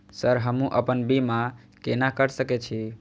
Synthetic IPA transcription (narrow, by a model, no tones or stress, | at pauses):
səɾɦəmũʔəpənbima | kenakəɾsəkɛt͡ʃʰi